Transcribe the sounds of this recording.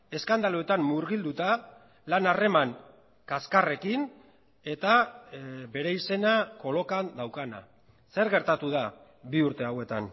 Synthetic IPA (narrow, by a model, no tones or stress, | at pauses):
e̞skand̪aloe̞t̪amːuɾɣild̪ut̪a | lanare̞maŋ | kaskare̞kin | e̞t̪a | be̞ɾe̞ise̞nako̞lo̞kand̪awkana̰ | se̞ɾɣe̞ɾt̪at̪uð̞a | biuɾt̪e̞awe̞t̪an